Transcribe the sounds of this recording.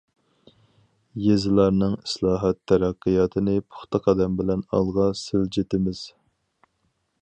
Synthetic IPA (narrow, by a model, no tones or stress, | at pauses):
jezɪlˠɑɾnɨŋi̥slˠɑːɦɑt̪ʰːɛɾɑqːɨjɑt̪ʰɨnɪpʰʊ̥χt̪ɑqʰɑd̪ɛmbɪlɛnɑ̰lˠʁɑsɪld͡ʒet̪ɪmɪz̥